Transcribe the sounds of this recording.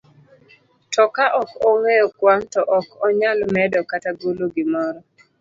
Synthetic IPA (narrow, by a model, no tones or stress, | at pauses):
tɔkaʔɔkɔŋeɔkwantɔʔɔkɔɲalmɛdɔkataɡuloɡɪmɔɾɔ